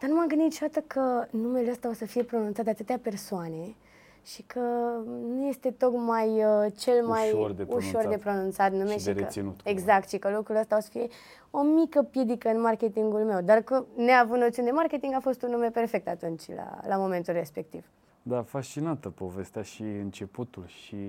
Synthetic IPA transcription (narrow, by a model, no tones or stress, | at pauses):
d̪̥arnumaɡɨnd̪it̪ʃod̪at̪əkʰənume̞leəst̪aosəfije̞pɾo̞nũnt̪sat̪d̪at̪ɨt̪eape̞rsoane̞ | ʃikʰənuje̞st̪e̞t̪o̞kmajət͡ʃe̞lmajord̪euʃo̞rd̪e̞pɾo̞nũnt̪sat̪numeʃiɾəinut̪eɡzak̚t̪ʃikəlukɾuləst̪aosə̥fije̞ | o̞mikəpje̞d̪ikəɨnmarke̞t̪iŋɡulme̞wd̪arkɨneaːvut̪not̪siuned̪e̞marke̞t̪iŋɡafo̞st̪unːume̞pe̞rfe̞k̚t̪at̪unt͡ʃʲla̰lamo̞ment̪ulre̞spe̞k̚t̪iv̥ | d̪afast͡ʃinat̪əpo̞ve̞st̪eaʃiɨnt͡ʃe̞put̪ulʃi